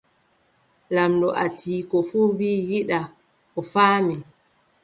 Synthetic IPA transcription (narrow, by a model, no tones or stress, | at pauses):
lamdɔʔatʰiːkɔfuːwiːjiɗa | ɔfaːmi